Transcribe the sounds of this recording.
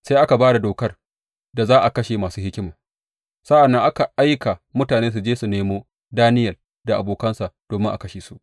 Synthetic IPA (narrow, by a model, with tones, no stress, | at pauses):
sa˦ʔa˦ka˨baː˦da˨doː˨kɐ˦r | da˨zaː˦ʔa˨kɐ˦ʃe˨maː˨suː˦hɪ˦kʲɪ˦maː˨ | sɐ˦ʔa˨nːɐ˦ŋʔa˦ka˨ʔa˦jka˨mʊ˦taː˨neː˦s̬u˨d͡ʒeː˦su˨neː˦moː˦ | daː˦nɪ˦jɐ˨l | da˨ʔa̰˨boː˨kɐ˦nsa˨ʔd̥oː˨mɪ˦ŋʔa̰˨kɐ˦ʃeː˨su˦˨ʔ